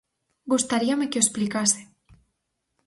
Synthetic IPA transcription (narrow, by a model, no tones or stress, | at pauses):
ɡust̪aɾiamekeoesplikasɪ